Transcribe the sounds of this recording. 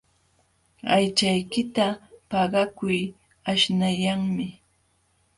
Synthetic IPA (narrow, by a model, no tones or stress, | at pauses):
ajt͡ʃajkɪt̪apɑɢɑkʊj | aʃnajaŋmɪ